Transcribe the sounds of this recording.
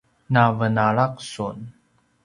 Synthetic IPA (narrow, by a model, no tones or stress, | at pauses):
navənaɭaq̚sun